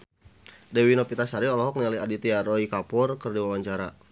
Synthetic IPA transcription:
dɛwinɔpit̪asaɾiɔlɔɦɔk̚nialiadit̪iaɾɔikapʊrkərdiwawaɲt͡ʃaɾa

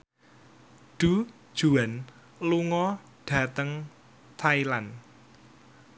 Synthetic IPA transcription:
ɖ̥u̥ | ʒ̥ṳan | luŋɔ | ɖ̥ä̤t̪əŋ | t̪ʰailan

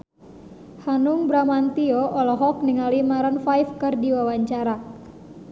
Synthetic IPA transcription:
hanuŋbɾamant̪iɔʔɔlɔɦɔk̚niŋalimaɾanfajfkɨrdiwawaɲt͡ʃaɾa

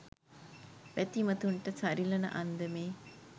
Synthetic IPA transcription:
ʋæt̪imət̪uɳʈəsaɾilɐnə̰ʔand̪əmeː

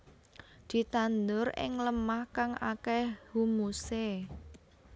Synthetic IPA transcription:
d̪̥i̤t̪and̪ʊɾɪ̰ŋləmahkaŋakɛhumuse

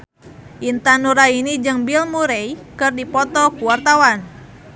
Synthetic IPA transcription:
ʔint̪anuɾainid͡ʒɨŋbilmuɾejkɨrdipɔt̪ɔkuwart̪awan

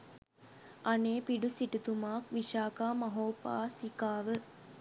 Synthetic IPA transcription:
aneːpiɖusiʈut̪umaːkʋiʃaːkaːmɐɦoːpa̰ːsikaːʋə

